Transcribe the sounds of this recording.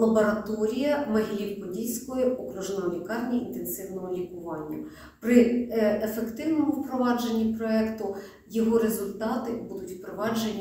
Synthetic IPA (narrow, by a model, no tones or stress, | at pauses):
lˠɐbɔɾɐt̪ɔɾʲijɐmɐɦilʲipɔdʲilʲsʲkɔjiʔɔkɾuʒnɔɔlʲikɑrnʲiint̪ensɪwnɔɦɔlʲikʊʋɑnʲːɐ | pɾɪefekt̪ɪwnɔmʊwpɾɔʋɑd͡ʒenʲːipɾɔɛkt̪ʊ | jɔɦɔɾezʊlʲt̪ɑt̪ɪbud̪ʊtʲpɾɔʋɑd͡ʒenʲːi